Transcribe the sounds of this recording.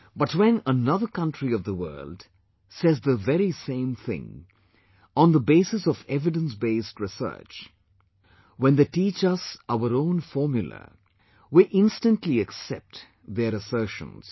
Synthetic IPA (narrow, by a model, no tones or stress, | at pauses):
b̥ʌtwɛ̃nənʌðəkʌ̃ntɹiʌvðəwɜ̰˞ld | sɛzðəvɛɾisẽɪ̃mθɪ̰̃ŋ | ɔ̃nðəbeɪsɨsɔvɛvɨɖə̃nsbeɪstɹɪsɜ̰˞t͡ʃ | wɛ̃nðeʈiːt͡ʃʌsaʊəɾõʊ̃nfɔɹmjʊl̩ˠə̰ | wiʔɪ̃nstə̃ntʰliɨksɛp̚t | ðəɾəsɜ˞ʃə̰̃nz̥